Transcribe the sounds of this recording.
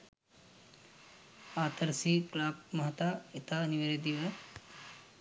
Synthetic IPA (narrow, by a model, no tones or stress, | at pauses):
aːt̪əɾsiːklaːp̚mɐɦɐt̪aet̪aːniʋeɾed̪iʋə